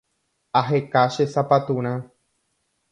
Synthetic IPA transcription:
aɦekaʃesapat̪ũɾ̃ã

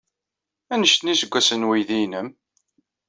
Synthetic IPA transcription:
ænəʃt̪nisəɡʷːæsənwijðinəm

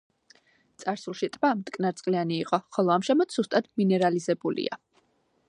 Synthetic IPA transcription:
t̪sʼaɾsulˠʃit̪ʼvamt̪ʼkʼnaɾt̪sʼqʼlianiːqʼɔχɔlˠɔamʃɛmat̪ʰz̥ust̪ʼad̪̥minɛɾalizɛbulḭa̰

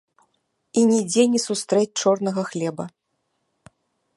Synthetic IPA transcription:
inʲɛd͡zʲɛnʲisust̪ɾɛt͡sʲt͡ʂɔrnɐɣɐxlʲɛbɐ

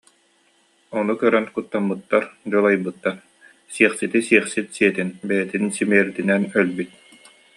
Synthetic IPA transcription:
ɔnukœɾœnkut̪ːamːɯt̪ːaɾd͡ʑɔlˠajbɯt̪ːaɾ | siɛχsit̪isiɛχsit̪siɛt̪inbɛjɛt̪insimiɛɾd̪inɛnœlbyt̪̚

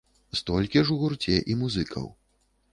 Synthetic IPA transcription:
st̪ɔlʲkʲiʐuɣurt͡sʲɛʔimuzɨkʰɐ̰w

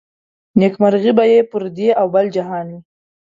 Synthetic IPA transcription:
nekmaɾɣibajepəɾd̪eʔawbald͡ʒaɦɑnwi

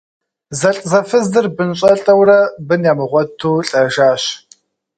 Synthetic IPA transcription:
zɐɬʼzɐfɨzdɨrbɨnɕʼɐɬʼɐwrɐbɨnjaːmɨʁʷɔtʰːuːɬʼɐʒaːɕ

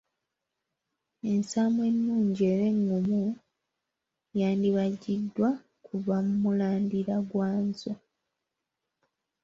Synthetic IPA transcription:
e̞nsaːmwe̞nːuːɲɟie̞ːɾe̞ŋɡumu | jaːndiβaɟidːwa | kuβamumulaːndiɾaɡwaːnzo

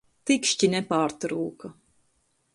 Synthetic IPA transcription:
t̪ikʃt͡ʃinɛpaːɾt̪ɾuːkɐ

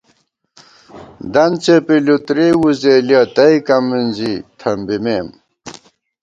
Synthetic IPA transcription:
d̪ɐnt͡sepilut̪ɾewuzeljɐt̪ɐikɐmːinzit̪ʰɐmbimem

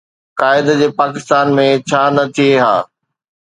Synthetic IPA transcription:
kaːɪd̪d͡ʑeːpaːkɪst̪aːnmẽt͡ɕʰaːnɐt̪ʰieɦa̰ː

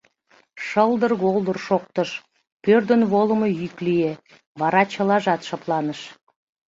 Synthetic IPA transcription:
ʃəlˠd̪ərɣolˠd̪ərʃoq̚t̪əʃ | pørd̪ənβolə̆məjyklije | βɑɾɑt͡ɕə̆lɑʒɑt̪ʃɑplˠɑnəʃ

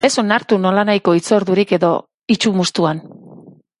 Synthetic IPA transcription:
e̞so̞naɾt̪uno̞lanajko̞it͡so̞ɾðuɾike̞ðo̞ | it͡ʃumust̪uan

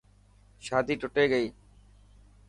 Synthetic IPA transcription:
ʃaːd̪ʱiːʈoʈeːɡeiː

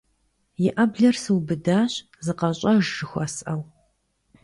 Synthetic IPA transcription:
jɪʔɐbɮɐrsɨwbɨdaːɕ | zɨqɐɕʼɐʒʒɨxʷɐsʔɐw

